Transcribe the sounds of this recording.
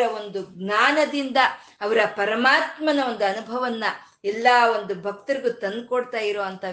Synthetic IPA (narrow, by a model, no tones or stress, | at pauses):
ɾɐo̞nd̪uɡnaːnɐd̪ind̪ɐː | ʋɐɾɐpɐɾɐmaːt̪mɐnɐond̪uɐnubʱɐʋɐnːɐ | ɛlːaːo̞nd̪ubʱɐk̚t̪ɐɾiɡut̪ɐnd̪̚koɽt̪aːjiɾoːɐnt̪ɐ